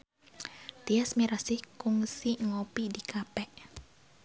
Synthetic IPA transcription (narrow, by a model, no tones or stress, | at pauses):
t̪iasmiɾasihkuŋsiŋɔpidikʰapɛk